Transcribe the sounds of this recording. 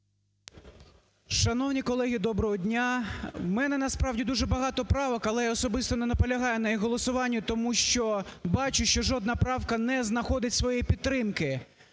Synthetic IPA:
ʃɐnɔwnʲikɔlˠɛɦʲid̪ɔbɾɔɦɔdʲnʲamɛnɛnɐspɾɑwdʲid̪uʒɛbɐɦɑt̪ɔpɾɑʋɔkɐlˠɛjɔsɔbɪst̪ɔnɛnɐpɔlʲɐɦɑjɛnɐjixɦːɔlˠɔsʊʋɑnʲːʊt̪ɔmuʃt͡ʃɔbɑt͡ʃʊʃt͡ʃɔʒɔd̪nɐpɾɑwkɐnɛznɐxɔd̪ɪtʲsʋɔjipʲidt̪ːɾɪmkɪ

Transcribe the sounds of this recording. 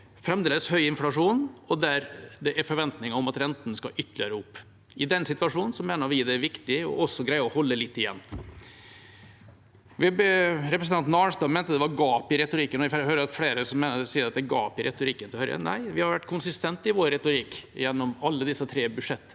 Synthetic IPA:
fɾɛmd̪eːləshœʏɪnflɑʂuːnɔd̪æɾd̪ɛʔæɾfɔɾʋɛnt̪nɪŋəɔmɑt̪ɾɛnt̪ənəskɑʔʏt̪ʰːlɪəɾəʊpː | ɪd̪ɛnsɪt̪ʉɑʂuːnənsɔmeːnəɾʋɪd̪ɛæɾʋɪkt̪ɪɔ̰ʔɔsːɔɡɾæɪəɔhɔlːəlɪt̪ːɪjɛ̰nː | ʋɪɾɛpɾəsəɑnt̪nɑːlst̪ɑːmænt̪əd̪ɛʋɑɾɡɑːpɪɾɛt̪ʊɾikːənɔɪfhøːɾəɾɑt̪fɽeːɾəsɔmːeːnəɛsiːəɾɑt̪̚d̪ɛɡɑ̰ːpɪɾɛt̪ʊɾikːənt̪ɪlhœʏɾə̰næ̰ɪʋɪhɑɾʋæʈːkʰʊnsɪst̪ɛnt̪ɪʋoːɾːɛt̪ʊɾikːjɛnːɔmɑlːəd̪ɪsːət̪ʰɾeːbʉʂɛt̪ː

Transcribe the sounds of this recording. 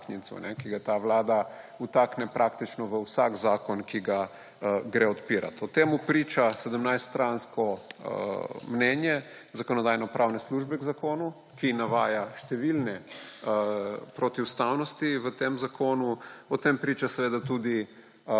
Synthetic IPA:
knintsṵnɛkiɡat̪aʋlaːd̪a | ut̪aknɛpɾʔakt̪it͡ʃnɔʋəwsaɡzaːkɔnkiɡa | ɡɾeɔt̪piːɾa̰t̪ɔt̪emupɾiːt͡ʃasɛd̪əmnajst̪st̪ɾanskɔ | mnɛnjɛ | zakɔnɔd̪ajnɔpɾʔawnɛsluʒbɛɡzakoːnu | kinaʋaːjaʃt̪ɛʋilnɛ | pɾot̪iust̪awnɔst̪iʋət̪emzakʰoːnuɔt̪empɾit͡ʃasɛʋeːd̪at̪ud̪i

